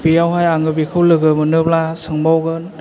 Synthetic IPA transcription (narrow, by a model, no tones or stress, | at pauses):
bijawɦajaŋɯbikʰɯwlɯɡɯmɯnɯp̚lasɯŋbawɡɯn